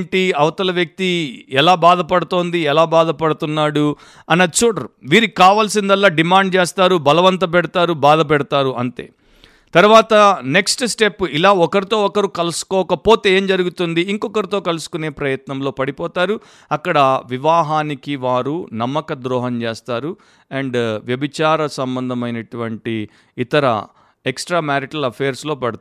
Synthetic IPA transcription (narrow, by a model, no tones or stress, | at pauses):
ɳʈiɐʋɐt̪ɐlɐʋjɐk̚t̪iɛlaːbaːd̪ʱɐpɐɽut̪o̞ːnd̪iɛlaːbaːd̪ɐpɐɽut̪unːaːɽu | ɐnːɐt͡ʃoːɽɐɾuʋiːɾikaːʋaːlsind̪ɐlːaːɖimaːɳɖ̚t͡ʃeːst̪aːɾubɐlɐʋɐnt̪̬ɐp̬ɛɽɐt̪aːɾubaːd̪ɐp̬ɛɽɐt̪aːɾuɐ̰nt̪e̞̰ː | t̪ɐɾuʋaːt̪ɐne̞ksʈsʈe̞pːilaːɔkɐɾit̪o̞ːɔkɐɾukɐlusu̥kɔːkɐpo̞ːt̪e̞eːmd͡ʒɐɾuɡut̪und̪iːŋkɔkɐɾit̪o̞ːkɐlusu̥kune̞ːpɾɐjɐt̪nɐmlo̞ːpɐɽipɔːt̪aːɾu | ɐkːɐɽɐʋiʋaːɦaːnikiʋaːɾunɐmːɐkɐd̪ɾɔːɦɐɲt͡ʃeːst̪aːɾu | ɐɳɖʋjɐbit͡ʃaːɾɐsɐmbɐnd̪ʱɐmɐjnɐʈuʋɐɳʈiː | t̪ɐɾɐ̰ | eksʈɾaːmaːɾiʈɐlɐpʰɛːɾslo̞ːpɐɽt̪ː